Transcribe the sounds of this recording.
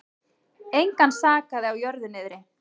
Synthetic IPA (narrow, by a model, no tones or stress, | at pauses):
ejŋkansaːkaðɪawjœɾðʏnɪðɾɪ